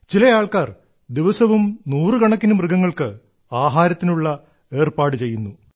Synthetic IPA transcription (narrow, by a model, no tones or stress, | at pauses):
t͡ɕilɐjaːɭkaːr | d̪iʋɐsɐʋumnuːrɨkɐɳɐkːinumrɨɡɐŋːɐɭkɨ | aːɦaːɾɐt̪ːinuɭːɐ | e̞ːrpaːɽɨt͡ɕe̞jːunːu